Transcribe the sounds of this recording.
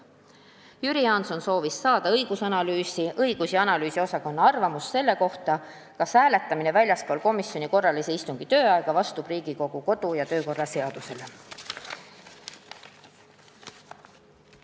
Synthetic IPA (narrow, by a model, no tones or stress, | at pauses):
jyɾiɑnso̞nso̞ːvisːɑːd̪̥ɑɤjɡ̥usɑnɑlyːsiʔɤiɡ̥usjiɑnɑlyːsio̞sɑko̞nːɑɑrvɑmusːe̞lːe̞ko̞ht̪ɑ | kɑshæːle̞t̪ːˑɑmine̞vælʲjɑskoːlko̞misjo̞niko̞rːɑlise̞ist̪uŋɡ̥it̪ø̞ːɑeɡ̥ɑvɑst̪ub̥riːɡ̥iko̞ɡ̥uko̞d̪ujɑt̪ø̞ːko̞rːɑse̞ɑd̪̥use̞le̞